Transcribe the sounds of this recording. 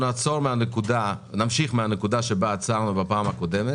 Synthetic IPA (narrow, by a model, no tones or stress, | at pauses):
nat͡soʁmeanekud̪anamʃiχmeanekud̪aʃebaːt͡saʁnubapaːmakod̪ɛme